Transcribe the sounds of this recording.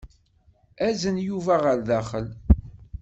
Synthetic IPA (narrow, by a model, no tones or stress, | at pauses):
æzənjuvæʁəɾðæχəl